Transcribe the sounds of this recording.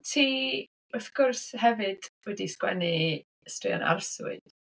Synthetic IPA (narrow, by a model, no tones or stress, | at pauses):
tʰiː | ɔfkʰɔrshɛvɨd̥wɛdiskwɛ̰ni | strɪɔ̰na̰rsʊ̰ɨð